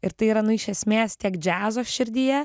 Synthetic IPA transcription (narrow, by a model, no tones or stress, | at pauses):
ɪɾt̪ɐɪiːɾɐnʊɪʃʲɛsʲmʲeːst̪ʲiɛkd͡ʒʲæːzoːsʃʲɪɾʲd̪ʲiːjɛ